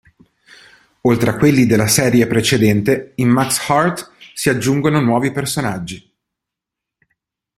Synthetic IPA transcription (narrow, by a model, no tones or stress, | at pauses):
olt̪ɾeakwelːid̪elːasɛːɾjepɾet͡ʃed̪ɛnt̪eimːakshart̪siad͡ʒːuŋɡononwɔːvipersonad͡ʒːi